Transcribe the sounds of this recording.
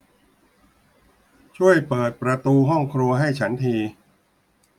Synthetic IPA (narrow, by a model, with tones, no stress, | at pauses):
t͡ɕʰu˥˩əjpɤː˨˩t̪̚pɾa˧t̪uː˧ɦɔ˥˩ŋkʰɾu˧ɐɦa˥˩jt͡ɕʰa˦˥nt̪ʰiː˧